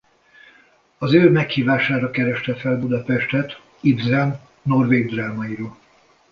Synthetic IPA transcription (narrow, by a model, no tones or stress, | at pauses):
ɒzøːmɛkhiːvaːʃaːɾɒkɛɾɛʃt̪ɛfɛlbud̪ɒpɛʃt̪ɛt̪ | ibzɛn | no̞rveːɡ̚d̪raːmɒjiɾoːl